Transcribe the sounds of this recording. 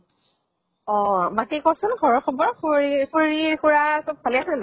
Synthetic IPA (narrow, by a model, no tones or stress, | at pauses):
ɔmakikɔsʊnɡʱɔɹɔkʰɔbɔɹkixoɹixuɹasɔb̚pʰaliasana